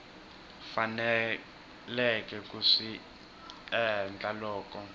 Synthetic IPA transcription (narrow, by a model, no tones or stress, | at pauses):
fanɛ | lɛkʼɛkʼuʂi | ɛnd͡ɮʱʼalɔːkɔ